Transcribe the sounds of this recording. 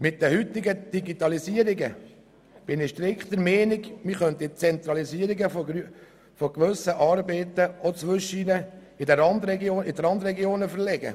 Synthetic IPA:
mɪt̚d̥̪ɛhyt̪ːɪɡəd̥iɡit̪ɑlisiəɾiɡə | b̥ɪnɪʃtɾɪkχt̪əɾmɛːnɪɡmɪχœnt̪it͡sɛnt̪ɾɑlisiəɾiɡəf | fɔɡʋɵsəʔɑːɾbɛɪt̪əɔt͡sʋʏʃinə | ɪdɛɾɑnd̪ɾɛɡjoːnɪdəɾɑnd̪ɾɛɡjoːnəfəɾlɛɡə̰

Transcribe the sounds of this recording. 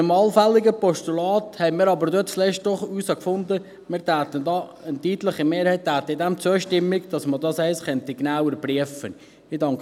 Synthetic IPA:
əmɑlfælːɪɡəpɔʃtulɑːt̪hɛɪmɪːɾɑbəɾdøtslɛʃtd̥ɔχuːsɑkfʊnd̪ə | mɪːɾtæːt̪əndɑːənt̪iːtləχəmeːɾhɛɪttːæːt̪əɪdæmt͡suəʃtɪmːɪkd̥ɑsmədɑsɛɪsχɛntiɡnawəɾpriəfən | idɑŋk

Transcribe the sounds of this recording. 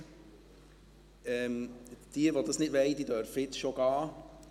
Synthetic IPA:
ɛːmd̥iəʋod̪ɑsnɪdʋɛɪd̥̪iːdœɾfəjɪtsʃoɡ̥ɑː

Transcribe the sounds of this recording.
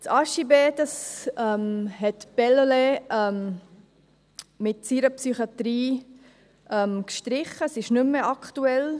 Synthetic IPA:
t͡sɑʃibeːtəsɛmhɛtb̥ɛloleɛm | mɪtsiɾəpsyχjɑt̪ɾiː | ʔɛmkʃtɾɪχːəsɪʃnʏmːəʔɑkχtuɛl

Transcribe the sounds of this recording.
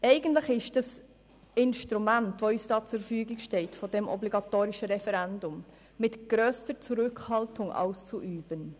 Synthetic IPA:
ɛɪɡ̥əntlɪχɪʃd̥ɑs | ɪnʃtɾumæntʋoysd̥ɑːt͡suffyːɡiɡʃtɛltfɔdɛmʔɔ̰bliɡɑtoːɾiʃəɾɛfɛɾændʊmː | ɪtɡ̥ɾœːstət͡suɾʏkhɑltʊŋʔa̰ʊst͡suʔyːb̥ən

